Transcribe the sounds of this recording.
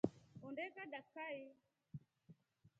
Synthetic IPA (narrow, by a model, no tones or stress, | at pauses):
õːɳɖeːkaːɗəkʰːaːeː